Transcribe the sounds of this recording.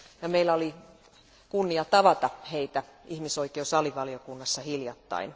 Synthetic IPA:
jɑmeilːˑæoli | kunːiɑt̪ɑʋɑt̪ɑheit̪æihmisoikeusɑliʋɑliokunːɑsːɑhiljɑt̪ːɑ̰in

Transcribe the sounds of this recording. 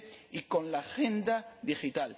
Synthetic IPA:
ikõnlaːxẽnd̪aðixit̪al

